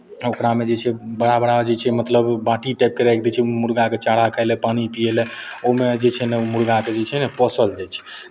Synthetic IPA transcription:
okɾamed͡ʒet͡ʃʰɛbəɽabəɽad͡ʒet͡ʃʰɛmət̪ləbbãʈiʈajp̚keɾajk̚d̪ɛt͡ʃʰɛmuɾɡaket͡ʃaɽ̤akʰajlɛpanipijelɛomed͡ʒet͡ʃʰɛnɛomuɾɡaked͡ʒet͡ʃʰɛnɛpɔsəld͡ʒɛt͡ʃʰɛ̥

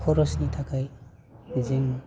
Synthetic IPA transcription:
kʰɔɾɔsnitʰakʰaj | zem

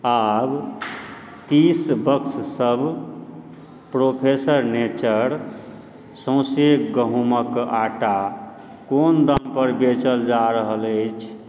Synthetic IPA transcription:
ab | t̪isbəkssəb | pɾopʰesəɾnet͡ʃəɾ | sə̃wsekɡəɦũməkaʈa | kond̪ampəɾbet͡ʃəld͡ʒaɾəɦələt͡ʃʰ

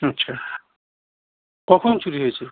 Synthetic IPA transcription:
ʌtːsʰa | kɔkʰɔnt͡ʃuɾiɦojt͡ʃʰe

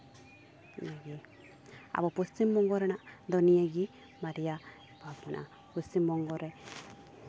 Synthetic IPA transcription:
naɡi | a̰bɔpɔst͡ʃimbɔŋɡɔɾɛnaʔd̪ɔnijəɡi | maɾija | bʱabmanʔa̰ | pɔst͡ʃimbɔŋɡɔɾɛ

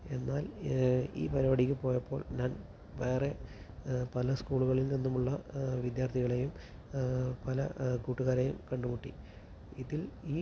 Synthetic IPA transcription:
e̞nːaːlḭːpɐɾoɐɽikʲːɨpo̞ːjɐpːo̞ːɭɲaːn | ʋe̞ːre̞ | pɐlɐskuːɭuɣɐɭilninːumuɭːɐʋid̪jaːrt̪ʰiɣɐɭejum | pɐlɐ̰kuːʈːuɣaːɾejṵmkɐɳɖumuʈːḭ | iðiliː

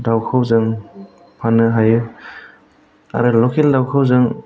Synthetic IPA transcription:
dawkʰɯwzɯŋ | pʰanɯɦajɯ | a̰ɾɯlɔkʰeldawkʰɯwzɯŋ

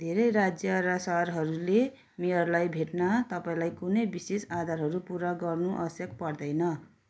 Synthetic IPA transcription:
d̪ʱeɾʌjɾad͡zjʌɾʌsʌɦrɦʌɾule | meɦʌɾulajbʱeʈnat̪ʌpaĩlajkunʌjbisesad̪ʱaɾɦʌɾupuɾaɡʌrnuʔʌ̰ʌsjʌk̚pʌrd̪ʌjnʌ

